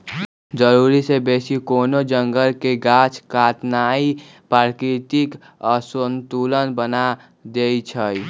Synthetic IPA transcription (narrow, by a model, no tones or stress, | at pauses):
d͡ʒəɾuːɾisebeːsikoːnod͡ʒəŋɡəlkeɡat͡ʃʰkat̪nai | paɾkɾit̪ik | əsənt̪ulənbəna | d̪eit͡ʃʰəj